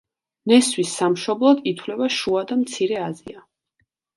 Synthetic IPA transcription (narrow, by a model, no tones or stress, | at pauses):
nɛswisːamʃɔblˠɔd̪it̪ʰwlɛbaʃuad̪amt̪sʰiɾɛazia